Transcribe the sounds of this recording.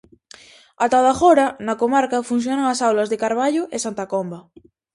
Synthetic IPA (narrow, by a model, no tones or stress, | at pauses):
at̪aðaxoɾanakomaɾkafun̟θ̬jonaŋasawlazðekaɾβ̞aʎoʔesant̪akomba